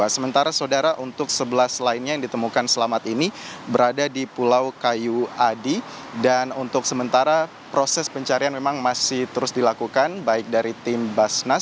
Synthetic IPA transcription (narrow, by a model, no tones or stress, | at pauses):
asəmənt̪aɾasodaɾaʔunt̪ʊksəbəlaslainɲajaŋdit̪əmukansəlamat̪inibəɾadadipulawkajuadi | danunt̪ʊk̚səmənt̪aɾa | pɾosɛspəɲt͡ʃaɾianmemaŋmasɪht̪əɾʊsdilakukanbaɪk̚daɾit̪ɪmbasnas